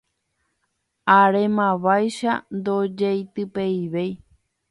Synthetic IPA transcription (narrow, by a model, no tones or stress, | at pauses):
aɾe̞mãʋajʃa̰nd̪od͡ʒejt̪ɨpe̞iʋej